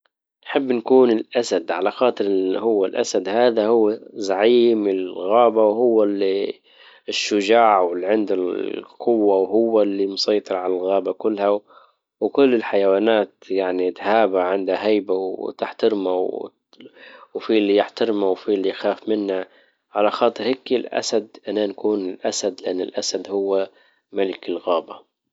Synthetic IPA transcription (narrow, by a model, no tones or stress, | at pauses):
nħɪbːnkuːnɪlʔasad̪ʕalaxɑːt̪ˤɨɾɪhʊwːalʔa̰sad̪haːðahʊwːazaʕiːmɪlɣaːbawɦʊwːali | ɪʃːʊd͡ʒaːʕwɪlʕɪnd̪alqʰʊwːawɦʊwːalːimʊsɑjt̪ˤɨɾˤʕalalɣaːbakʊlːha | wkʊlːɪlħajawaːnaːt̪jaʕnit̪haːbaʕɪnd̪haɦajbawt̪ɪħt̪ɪɾmaw | wfiːlːijɪħt̪ɪɾmawfiːlːijxaːfmɪnːa | ʕalaxɑːt̪ˤɨɾheːkːɪlʔa̰sad̪ʔananakuːnɪlʔasad̪lɪʔanːɪ̰lʔasad̪hʊwːa | malɪkɪlɣaːba